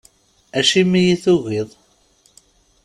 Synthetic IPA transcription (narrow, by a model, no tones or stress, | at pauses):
æʃimijiθuʝiðˤ